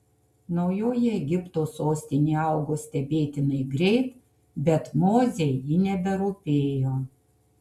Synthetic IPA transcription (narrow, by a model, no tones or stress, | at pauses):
nɐʊjoːjɛɛɡʲɪpt̪oːsoːsʲt̪ʲɪnʲeːɑˑʊɡoːsʲt̪ʲɛbʲeːt̪ʲɪnɐɪɡɾʲɛɪt̪ | bʲɛt̪moːzʲejiːnʲɛbʲɛɾuːpʲeːjoː